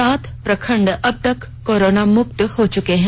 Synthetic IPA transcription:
aːt̪ʰpɾɐkʰəɳɖɐb̚t̪əkːoːɾoːnamʊkt̪hot͡ʃukeːɦɛ̃

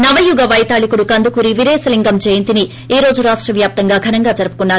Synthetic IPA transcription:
nɐʋɐjuɡɐʋɐjt̪aːɭikuɽukɐnd̪ukuɾiʋiɾeːsɐliŋɡɐmd͡ʒɛjɐnt̪ini | iːɾo̞ːd͡ʒuɾaːʂʈɾɐʋjaːp̚t̪ɐŋɡaːɡʱɐnɐŋɡaːd͡ʒɐɾɐpu̥kunːaːɾu

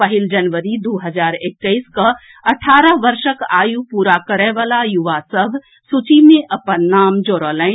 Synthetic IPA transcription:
pɐɦɪld͡ʒɐnʋəɾid̪oːɦəzaːɾɪk̚t̪əiska | ɐʈʰaːɾəʋɐɾʃəkaːjupuːɾakəɾɛ̃ʋaːlajʊʋasəbʱ | sut͡ʃimẽʔɐpənːaːmd͡ʒoːɾəːlə̃

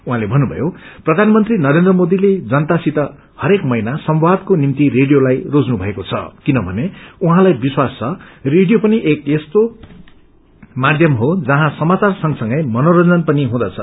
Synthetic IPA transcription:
uɦãlebʱʌnːubʱʌ̰joprʌd̪ʱanmʌnt̪rinʌɾend̪rʌmod̪iled͡zʌnt̪asit̪ʌ | hʌɾekmʌjnasʌmbwad̪konimt̪ireɖijolajrod͡znubʱʌekot͡sʰʌ̰kinʌbʱʌneuɦãlajbiswast͡sʰʌreɖijopʌniʔekest̪o | mad̪ʱjʌmɦod͡zʌɦãsʌmat͡sarsʌŋsʌŋɡʌjmʌnoɾʌnd͡zʌnpʌniɦũd̪ʌt͡sʰʌ̰

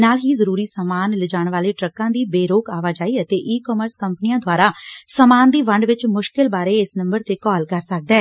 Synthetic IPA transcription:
naːlɦiːzəɾuːɾiːsəmaːnləd͡ʒaːɳʋaːleːʈɾəkãːd̪iːbeːɾoːkaːʋaːd͡ʒaːiːət̪eːʔiːkɔːməɾskəmpəniãːd̪ʱʊaːɾaːsəmaːnd̪iːʋəɳɖʋɪt͡ʃmʊʃkɪlbaːɾeːɪsnəmbəɾt̪eːkɔːlkəɾsək̚d̪aɛː

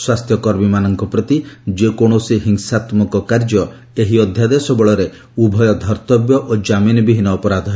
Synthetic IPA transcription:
swast̪ʰjɔkɔɾmimanɔŋkɔpɾɔt̪id͡ʒekoɽ̃osiɦiŋsat̪mɔkɔkaɾd͡ʒɔ | eɦiɔd̪ʱjad̪esɔbɔɭɔɾe | ubʱɔjɔd̪ʱɔɾt̪ɔbjɔʔod͡ʒaminbiɦinɔːpɔɾad̪ʱɔɦe

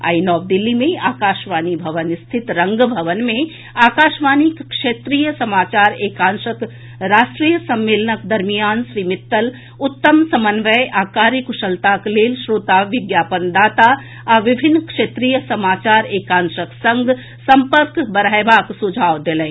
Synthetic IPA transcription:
a̰ːinɔːʋd̪ɪlːimẽaːkaːʃʋaːnibʱɐʋənɪst̪ʰɪt̪ɾɐ̃ŋɡbʱɐʋənmẽ | aːkaːʃʋaːnikkʃeːt̪ɾijəsɐmaːt͡ʃaːɾeːkãːnʃək | ɾaːʃʈɾiːjəsɐmːeːlənək̚d̪ɐɾmijaːnʃɾiːmɪt̪ːəl | ʊt̪ːəmsɐmənʋəjʔaːkaːɾikʊʃəlt̪aːkleːlʃɾoːt̪aːʋɪɡjaːpənd̪aːt̪a | aʋɪbʱɪnːkʂeːt̪ɾiːjəsɐmaːt͡ʃaːɾeːkãːnʃəksɐ̃ŋɡ | sɐ̃mpəɾkbɐɾaːjʋaːksʊd͡ʒʱaːʋd̪elə̃

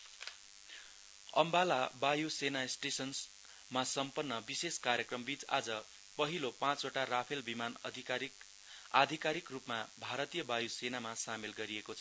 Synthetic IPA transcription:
ʌmbalabajusenaesʈesʌns | masʌmpʌnːʌbiseskaɾjʌkrʌmbit͡sa̰d͡zʌ | pʌɦilopãt͡soʈarapʰelbimanʱ | ad̪ʱikaɾikrupmabʱaɾʌt̪ijʌbajusenamasamelɡʌɾiekot͡sʰʌ

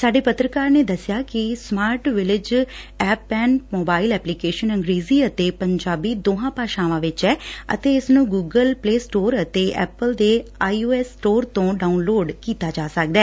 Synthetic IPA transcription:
saːɖeːpət̪ɾəkaːɾneːd̪əsɪjaːkɪsmaːɾʈʋɪlɪd͡ʒ | ɛːpːɛːnmoːbaːɪlɛːplikeːʃənə̃ŋɡɾeːziːət̪eːpəɲd͡ʒaːbiːd̪oːɦãːpaːʃãːʋãːʋɪt͡ʃɛːə̰t̪eːɪsnũːɡuːɡəlpleːsʈoːɾət̪eːʔɛ̰ːpəld̪eːaːioːɛːsʈoːɾt̪õːɖaːunloːɖkiːt̪aːd͡ʒaːsək̚d̪ɛː

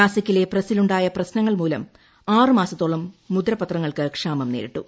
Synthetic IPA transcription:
aːsɐkʲːile̞prɐsiluɳɖaːjɐprɐɕnɐŋːɐɭmuːlɐm | aːrɨmaːsɐt̪ːoːɭːɐmːud̪ɾɐpɐt̪rɐŋːɐɭkɨkʂaːmɐmneːɾḭʈːṵ

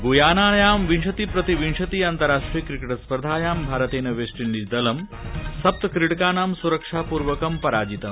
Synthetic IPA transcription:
ɡuːjaːnaːɭjaːmʋinʂɐt̪iːpɾɐt̪iʋinʂɐt̪iːaːnt̪ɐɾaːʂʈɾikɾikeʈɐspɾɐd̪ʱaːjaːmbʱaːɾɐt̪eːnɐʋeːsʈinlid̪ɐlɐm | sɐp̚t̪ɐkɾiʈkaːnaːmsuɾɐkʂaːpuːɾʋɐkɐmpɐɾaːd͡ʒit̪ɐm

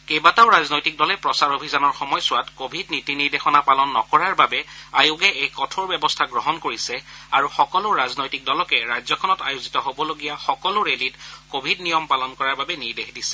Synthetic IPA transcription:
kejbataʊɹaznojtik̚dɔlɛpɹɔsaɹobʱizanɔɹxɔmɔjsʊwatkobʱidnitiniɹdexɔnapalɔnːɔ̰kɔɹaɹbabɛajʊɡɛejkɔtʰɔɹbɛbɔstʰaɡɹɔɦɔnkoɹisɛaɹuxɔkɔlʊɹaznojtik̚dɔlɔkɛɹajzɔkʰɔnɔtajʊzitɔɦobɔloɡijaxɔkɔlʊɹelitkobʱidnijɔmpalɔnkɔɹaɹbabɛniɹdexdisɛ̥

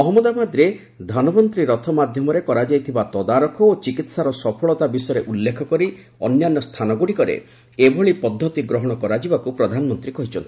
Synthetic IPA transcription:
ɔɦɔmɔd̪amad̪ɾe | d̪ʱanɔbɔnt̪ɾiɾɔt̪ʰɔmad̪ʱjɔmɔɾekɔɾad͡ʒajt̪ʰibat̪ɔd̪aɾɔkʰɔot͡ʃikit̪saɾɔsɔpʰɔɭɔt̪abisɔjɔɾeʔulːekʰɔkɔɾi | ɔ̰njanːɔst̪ʰanɔɡuɽikɔɾḛ | ebʱɔɭipɔd̪ʱːɔt̪iɡɾɔɦɔɽ̃ɔkɔɾad͡ʒibakupɾɔd̪ʱanɔmɔnt̪ɾikɔɦit͡ʃʰɔnt̪i

